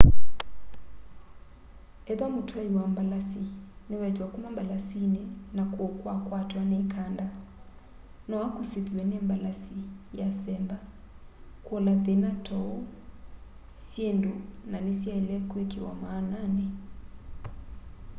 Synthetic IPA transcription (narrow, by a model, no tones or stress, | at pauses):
ɛðamutʰwajiwambalasinɛwɛd͡ʒwakumambalasinɛnakwɔkwakwatwanɛkʰanda | nɔakusiðiɛnɛmbalasijasɛmba | kwɔlaðɛnatʰɔɔ | sjɛndunanisjaɛlɛkwekiwa̰maːnanɛ